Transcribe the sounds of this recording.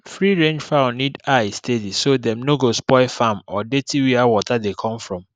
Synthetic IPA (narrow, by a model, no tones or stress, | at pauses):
fɹiɹẽnd͡ʒfaʊnidaɪstedisodɛ̃mnoɡospɔɪfamɔdetiwiawɔtadekʰɔ̃mfɹɔ̃m